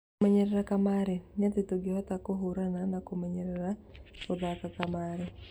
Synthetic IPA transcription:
maɲeɾɛɾakamaɾɛɲat̪etoɡɪhɔt̪akoɦuɾananakomaɲeɾɛɾaod̪akakamaɾɛ

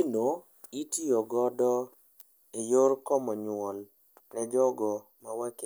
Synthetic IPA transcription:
ino | itiɔɡɔdɔ | ejoɾkɔmɔɲwɔl | nɛd͡ʒɔɡɔ | mawake

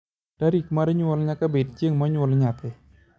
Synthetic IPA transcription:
taɾikmaɾɛɲwɔlɲakabed̚t͡ʃjeŋmaɲwɔlɲapɛ

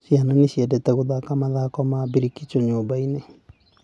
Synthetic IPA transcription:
ʃiananeɕiɛdɛtɛɣoðakamaðakɔmabiɾikit͡ʃɔɲoːbaine

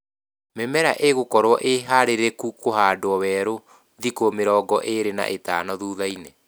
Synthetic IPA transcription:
memɛɾaʔeɣokɔɾwɔʔeɦaɾeɾekukohaːdwɔwɛːɾo | ðikomeɾɔːɡɔʔeɾena̰ʔetaːnɔðuːðaine

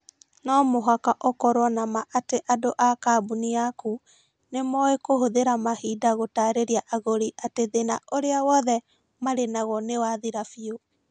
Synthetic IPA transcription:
nɔmoɦakaʔɔkɔɾwɔnamaʔateʔadoʔakabuniaku | nemɔekohoðeɾamahidaɣotaːɾeɾiaʔaɣoɾiʔateðenaʔoɾeawɔðɛ | maɾenaɣɔnewaðiɾafio

